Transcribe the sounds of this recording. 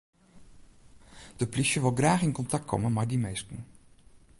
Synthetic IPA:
d̥əplisjəʋɪlˠɡraːχɪnkɔntak̚kʰɔ̰mənmadimejstən̩

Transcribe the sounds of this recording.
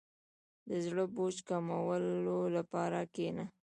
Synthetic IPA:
d̪əzɽəbot͡ʃkamawəlolapɑɾakena

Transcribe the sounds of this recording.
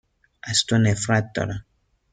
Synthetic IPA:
astonɛfɾat̪ɔ̰ɾa

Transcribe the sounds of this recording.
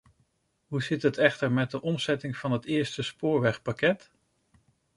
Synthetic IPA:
ɦuzɪtətɛχtəɹmɛt̚dəʔɔmzɛtɪŋv̥ɑnɦətɪːɹstəspʊːɹʋɛχpakɛt

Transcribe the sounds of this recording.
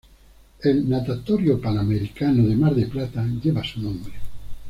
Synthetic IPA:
elnat̪at̪oɾjopanameɾikanoðemaɾðeplat̪aʎeβasunõmbɾe

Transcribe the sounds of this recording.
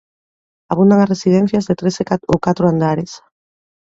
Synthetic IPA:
aβ̞und̪aŋasresið̞ɛ̃n̟θjazðet̪ɾeseaowkat̪ɾoand̪aɾes

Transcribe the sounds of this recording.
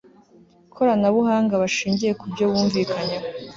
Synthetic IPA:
kʰo̞ɾanaβuhaːŋɡaβaʃiːɲɟije̞kubɟo̞βuːɱviːkʰaɲeho

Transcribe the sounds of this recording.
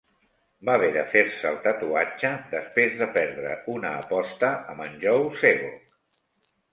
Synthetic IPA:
baβɛðəfeɾsəːlˠt̪ət̪uat͡ʃəd̪əspɾezðəpɛɾðɾə̰unəːpɔst̪əəmənʲʒɔwseɣo

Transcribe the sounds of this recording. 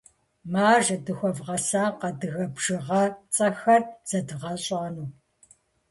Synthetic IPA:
maːʒɐdɨxʷɔvʁɐsaːqɐdɨɣɐbʒɨʁɐt͡sʼɐxɐrz̥ɐdɨʁɐɕʼaːnuː

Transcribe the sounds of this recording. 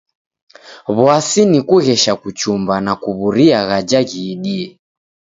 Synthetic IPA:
βwasinikuɣɛʃakut͡ʃumbanakuβuɾiaɣad͡ʒaɣiːɗiɛ

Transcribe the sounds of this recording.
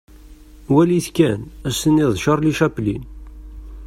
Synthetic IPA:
wæliθkænæsəniðˤʃəɾˤliʃæplin

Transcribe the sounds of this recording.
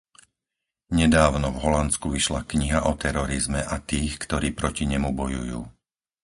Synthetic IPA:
ɲɛd̪aːʊnɔvɦɔlant͡skuʋiʃlakɲiɦaʔɔt̪ɛɾɔɾizmɛʔat̪iːxkt̪ɔɾiːpɾɔciɲɛmubɔjṵjuː

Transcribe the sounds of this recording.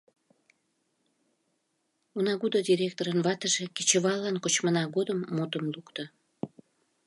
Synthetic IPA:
unɑɣud̪od̪ʲiɾʲek̚t̪oɾənβɑt̪əʒeke̥t͡ɕə̆βɑlːɑnkot͡ɕmənɑɣod̪əmːot̪əmlukt̪ə

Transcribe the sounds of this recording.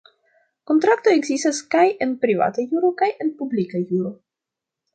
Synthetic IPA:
ko̞ntɾakto̞e̞ɡzistaskaje̞npɾiva̰tajuɾo̞kaje̞npublikajuɾo̞

